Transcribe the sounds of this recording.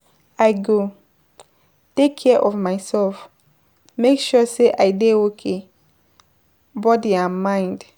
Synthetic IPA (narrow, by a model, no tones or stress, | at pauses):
aɪɡo | tekʰːɛʔɔvmaɪsɛlf | mekʃuseʔaɪdeokʰe | bɔdiamãɪ̃nd